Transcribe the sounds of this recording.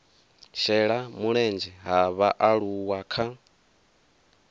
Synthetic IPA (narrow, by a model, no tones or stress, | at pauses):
ʃɛɺamuɺɛnd͡ʒɛɦaβaʔaɺuwakʰa